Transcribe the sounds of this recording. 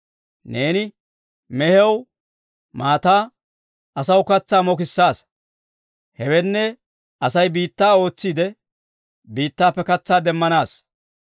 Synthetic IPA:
ne̞ːnɪ | mɛhɛw | maːt̪aː | ɐsɐwkɐt͡sːaːmɔk̬ɪsːaːs | hɛwɛnːɛ | ʔɐsɐjbiːt̪ːaːo̞ːt͡sːiːd̪ɛ | biːt̪ːaːpːɛkɐt͡sːaːd̪ɛmːɐnaːs

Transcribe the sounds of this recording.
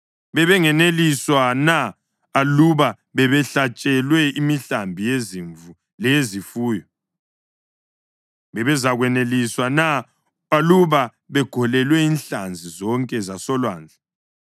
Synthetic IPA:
βɛβɛŋɛneliswanaː | luβa | βɛβɛɬat͡ʃʼɛlwɛimiɬambʱijeziɱ | lɛezifuːjɔ | βɛβɛzaɣwɛneliswanaː | luβa | βɛɡ̥ʱɔlɛlwɛinɬand͡zʱizɔŋkʼɛzasɔlwaːnd͡ɮʱa

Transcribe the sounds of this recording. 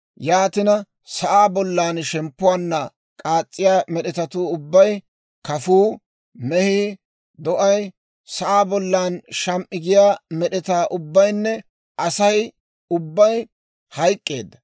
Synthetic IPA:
jaːt̪ɪnɐ | sɐʔaːbɔlːaːnʃɛmpːʊwaːnːɐ | kʼaːt͡sʼːɪjaːmɛɗɛt̪ɐt̪uːʊbːɐj | kɐfuː | mɛhiː | d̪ɔʔɐj | sɐʔaːbɔlːaːnʃɐmʔʼɪɡɪjaːmɛɗɛt̪aːʔʊbːɐjnːɛ | ʔɐsɐj | ʊbːɐj | hɐjkʼːeːd̪ːɐ

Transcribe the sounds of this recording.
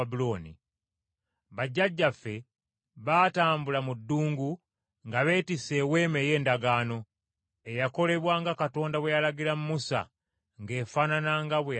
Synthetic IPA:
buloːnḭ | βaɟːaɟːafːe̞ | βaːtaːmbulamudːuːŋɡu | ŋɡaβe̞ːtise̞we̞ːmeje̞ːndaɡaːno̞ | e̞jako̞le̞βwaːŋɡakato̞ːndaβwejalaɡilamumusa̰ | ŋɡe̞ːfananaŋɡaβwe

